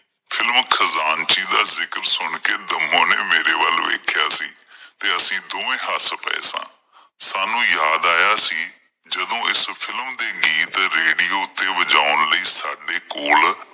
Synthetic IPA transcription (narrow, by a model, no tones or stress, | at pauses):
pʰɪlmkʰəzaːnt͡ʃiːd̪aːzɪkəɾsʊɳkeːd̪əmːõːneːmeːɾeːʋəlʋḛːkʰɪjaːsiːt̪eːəsĩːd̪oːẽːɦaspə̰ḛːsã̰ː | saːnũːjaːd̪aːjaːsiː | d͡ʒəd̪õːɪspʰɪlmd̪eːɡiːt̪ɾeːɽiːoːʊt̪ːeːʋəd͡ʒaːʊnləiːsaːɖeːkoːl